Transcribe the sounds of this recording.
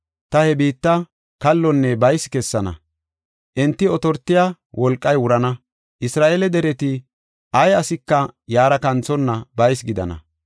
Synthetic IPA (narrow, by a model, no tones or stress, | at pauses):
t̪ɐhɛbiːt̪ːɐ | kɐlːɔnːɛbɐjskɛsːɐnɐ̰ | ʔɛnt̪ːɪɔt̪ɔɾt̪ːɪja | wʔɔlkʼːɐjwʊɾɐnɐ | ʔɪsɾaːʔelɛd̪ɛɾɛt̪ɪ | ʔɐjɐsɪkːɐjaːɾɐkɐnt͡sɔnːɐbɐjs̬ɡɪd̪ɐ̰nɐ̰